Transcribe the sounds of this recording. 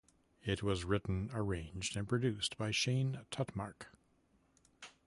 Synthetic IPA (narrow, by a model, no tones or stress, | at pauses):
ɪt̚wʌzɹɪʔn̩ə˞ẽɪ̃nd͡ʒdɨ̃npʰɹ̥ɨdʉstb̥aɪʃẽɪ̃ntʰʌtmɑɹk